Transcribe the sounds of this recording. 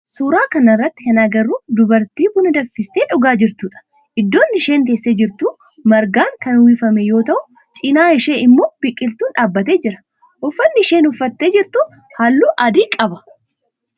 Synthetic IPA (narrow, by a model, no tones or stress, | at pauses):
suːɾaːkɐnɐɪrːɐt̪ːɪkɐnaːɡɐɾːuːd̪ʊbɐɾt̪iːbʊnɐd̪ɐfːɪst̪eːᶑʊɡaːd͡ʒɪɾt̪uːᶑɐ̥ | ʔɪd̪ːo̞ːnːɪʃe̞ːŋk̪e̞ːsːeːd͡ʒɪɾt̪uː | mɐɾɡaːŋkɐnwiːfɐmɛjo̞ːt̪ɐʔʊ | t͡ʃʼɪnaːɪʃe̞ːɪmːoːb̥ɪkʼːɪlt̪uːnᶑaːbːɐt̪e̞ːd͡ʒɪɾɐ̥ | ʔʊfːɐnːɪɪʃeːnʊfːɐt̪ːe̞ːd͡ʒɪɾt̪ʊ | hɐlːuːʔɐd̪iːkʼɐbɐ̥